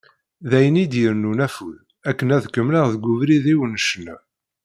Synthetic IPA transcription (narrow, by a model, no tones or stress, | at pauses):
ðæjənid̪jəɾnunæfuð | ækːənæðkəmləʁðɡʷuvɾiðiwənəʃənæ